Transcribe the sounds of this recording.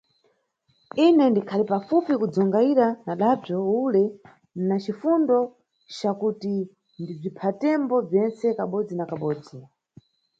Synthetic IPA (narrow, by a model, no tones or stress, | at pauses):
inɛndikʰalipafupikud͡zɔŋɡaiɾanaɗab͡ʐɔulɛ | nat͡ʃifundɔ | t͡ʃakuti | ndib͡ʐipʰatɛmbɔb͡ʐjɛnt͡sɛkaɓɔd͡zinakaɓɔːd͡zi